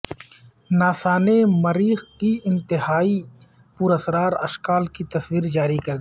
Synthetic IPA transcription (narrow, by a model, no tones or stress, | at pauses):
naːsaːnemɐɾiːxkiɪ̃nt̪ɪɦaːi | puɾɐsɾaːɾɐ̰ʃkaːlkit̪ɐswiːɾd͡ʒaːɾikɐɾd̪